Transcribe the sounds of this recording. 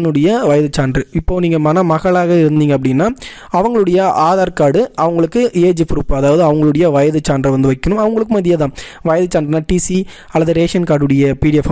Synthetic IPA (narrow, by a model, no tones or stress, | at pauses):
nɯɽɐjɐʋɐjɐðɯt͡ʃːaːndɾɯɪpːoːniːŋɡɐmɐnamɐɣɐɭaːɣɐɪɾɯnd̪iːŋɡɐpːɐɽɪnːaː | ɐʋɐŋɡɐɭɯɽɐjɐʔaːðaːɾkaːɽɯʔɐʋɐŋɡɐɭɯkːɯeːd͡ʒpʊɾɯpːɐðaːʋɐðɯɐʋɐŋɡɐɭɯɽɐjɐʋɐjɐðɯt͡ʃaːndɾɯʋɐnd̪ɯʋɐɪkːɐnɯmɐʋɐŋɡɐɭɯkːɯmɐðɪjaðãːʋɐjɐðɯt͡ʃaːnɖɪnːaːʈiːsi | ɐlːɐðɯɾeːʂɐnkaːɾɽɯɽɐjɐpiːɽɪɐf